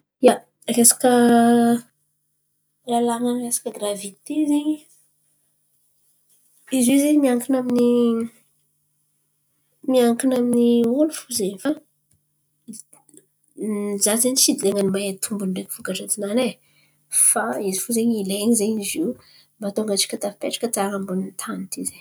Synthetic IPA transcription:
ja | kesḁkə | lalaŋankesḁkəɡravit̪ezeɲi | izizeɲmiaŋkinamini | miaŋkinaminiolufuzeɲfa | zazeɲisid̪leŋanimaɦat̪ʰumbunɖ͡ʐekʲi̥fukaʈ͡ʂat͡sinane | faizifuzeɲileɲizeɲizi | mbat̪oŋɡat͡ʃi̥kʲat̪afi̥peʈ͡ʂḁkət͡saŋambunint̪ʰanit̪izeɲ

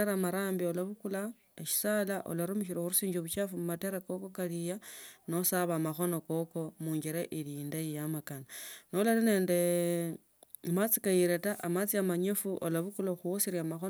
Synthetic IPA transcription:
eɾamaɾaːmbiolaβukula | eʃi̥saːlaʔo̰laɾumiʃiɾeuɾusiːɲd͡ʒoβut͡ʃafumumateɾako̞ko̞kalijano̞saβamaxo̞no̞ko̞ko̞muːɲɡeɾeʔiɾiindajijamakananolaline̞ːnde̞ | mat͡sikajiɾe̞taʔamat͡siamaɲefuʔolaβukuloxuosiɾjamaxo

